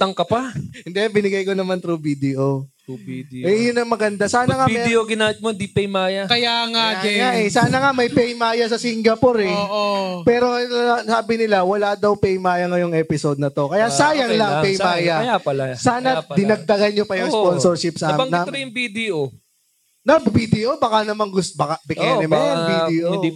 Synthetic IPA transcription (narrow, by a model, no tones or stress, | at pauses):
t̪ɐŋkɐpahɪnd̪ɛbɪnɪɡajkonɐmant̪ɾubid̪ɛʔo | ɛjʊnɐŋmɐɡɐnd̪asaːnɐŋamɛd̪oɡɪnaːmɪt̪̚mod̪ipɛjmaːjɐkɐjaŋaɐaʔɛsaːnɐŋamɐjpɛjmaːjɐsɐsiŋɡɐpoɾɪʔopɛːɾo̞saːbɪnɪlawɐlad̪ɐwpɛjmaːjɐŋɐjoŋʔɛːpɪsod̪̚nɐt̪o̞kɐjasaːjɐŋlɐŋpɛjmaːjɐjapɐlsaːnɐd̪ɪnɐɡ̚d̪ɐɡɐnɲopɐjʊŋsponsoɹʃɪpsabɐŋnɐɾojʊŋbid̪ɛʔo | nɐbvid̪ɛʔobɐkanɐmaŋɡʊsbɐkabɪʔɛnɛmɐvidɛo